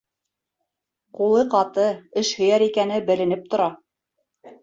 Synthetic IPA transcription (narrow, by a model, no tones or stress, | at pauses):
qulˠɤqɑt̪ɤɘʃhɵ̆jæɾikænɘbɘ̆lɘ̆nɘp̚t̪ŏɾɑ